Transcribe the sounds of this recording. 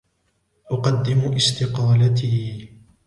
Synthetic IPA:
ʔʊqɑd̪ːɪmʊʔɪst̪ɪqɑːlat̪iː

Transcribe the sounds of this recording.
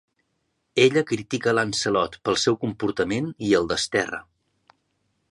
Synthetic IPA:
eʎəkɾit̪ikələnsəlɔt̪pəlˠsɛwkumpuɾt̪əmeniəlˠd̪əst̪ɛrə̰

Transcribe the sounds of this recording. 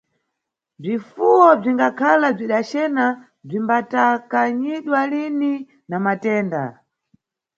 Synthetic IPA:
b͡ʐifuwɔb͡ʐiŋɡakʰalab͡ʐiɗat͡ʃɛna | b͡ʐimbatakaɲiɗwalini | namatɛːnda̰

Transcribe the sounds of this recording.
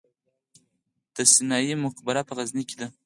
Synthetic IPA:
d̪̥əsɪnɑjimʊkbaɾapəɣazniked̪a

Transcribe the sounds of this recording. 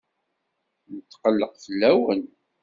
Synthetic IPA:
nət̪ːqəlːəqfəlːæwən

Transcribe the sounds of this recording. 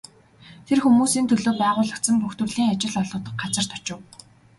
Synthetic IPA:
t̪ʰerxumuːsiːnt̪ʰɵɮoːpæːʁʊːɮə̆kt̪sə̆mpuxt̪wɵ̆rɮiːŋat͡ɕɪ̆ɮɔɮʁʊːt̪ə̆k̚ɢat͡sə̆r̥t̪ʰɔt͡ɕɪ̆w

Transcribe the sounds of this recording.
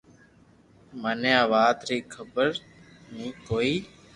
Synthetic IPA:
maːnjãːʋaːt̪ɾiːkʰəbəɾ | nĩːkoːiː

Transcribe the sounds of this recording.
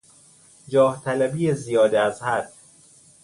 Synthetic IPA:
d͡ʒɒːht̪ʰælæbijezijɒːd̪eæzhæd̪̥

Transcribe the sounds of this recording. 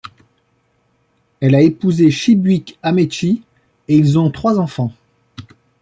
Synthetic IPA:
ɛlaepuzeʃibɥikamet͡ʃi | eilzɔ̃t̪χwazɑ̃fɑ̃

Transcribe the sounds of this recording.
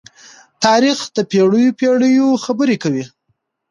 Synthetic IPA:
t̪ɑɾixd̪əpeɽəjopeɽəjoxabəɾekawi

